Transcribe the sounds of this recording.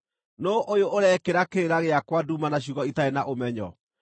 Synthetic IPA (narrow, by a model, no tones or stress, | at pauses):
noʔojoʔoɾɛkeɾakeeɾaɣeakwadumanaɕ̬uɣɔitaenaʔomɛɲɔ̰